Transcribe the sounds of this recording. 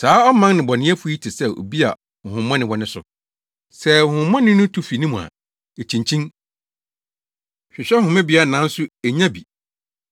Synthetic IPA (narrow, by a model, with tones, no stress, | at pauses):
saː˨˦ɔ˦mã˦ŋnɪ̃˨bɔ˨nɪ̃˦ɛ˦fu˦i˦tʰɪ˨sɛ˦˨o̰˨bi˦a˨ | ʊ˨hʊ̃˨mːɔ̃˦nɪ̃˦wɔ˦nɪ̃˦sʊ̰˨ | sɛ˦ʊ̃˨hʊ̃˨mːɔ̃˦nɪ̃˦nʊ̃˦tʰu˦fi˨nĩ˦mũ˨a̰˨ | e˨t͡ɕʰĩ˨ɲt͡ɕʰĩ˦ŋ | ɕᶣɪ˨ɕᶣɛ˦hʊ̃˨mɪ̃˦bi˨˦a˨nã˨˦n̩˦sʊ˦e˨ɲã˦bi˨